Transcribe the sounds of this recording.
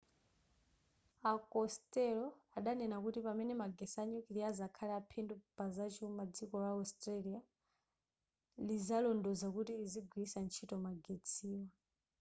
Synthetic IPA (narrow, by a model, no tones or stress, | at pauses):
akɔstɛlɔaɗanɛnakutipamɛnɛmaɡɛsaɲɔkiliazakʰalɛapʰɛndɔpazat͡ʃiumad͡zikɔlaɔstʼɾalia | lizalɔndɔzakutiiziɡʱwiːsant͡ʃʰitɔmaɡet͡sʰiːwa